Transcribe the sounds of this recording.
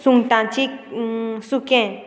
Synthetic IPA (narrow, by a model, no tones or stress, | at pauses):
suŋʈ̪ãt͡ʃiksukẽ